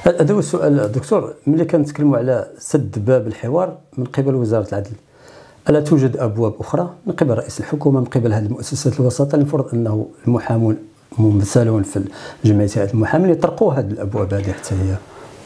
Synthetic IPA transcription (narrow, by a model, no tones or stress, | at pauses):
ʔæd̪æwəsʊʔæld̪ʊk̚t̪uɾˤməlːikænt̪kəlːmuʕalæsəd̪ːbæbəlħəwɑɾˤ | mənqebəlwəzɑɾˤɑt̪əlʕad̪əl | ʔælæt̪uʒəd̪ʔəbwæbʔʊxɾˤɑmənqibəlrːɑʔisəlħokumamənqəbəlhæd̪əlmʊʔæsːæsæt̪əlwɑsɑt̪ˤɑlinfɾˤəd̪ˤʔənːhuəlmʊħamun | mʊmæθælunfiʒəmʕit̪hææt̪əlmʊħaminjt̪ˤɾˤquɦæd̪əlʔəbwæbhæd̪iħḁt̪ʰːæhəjːæ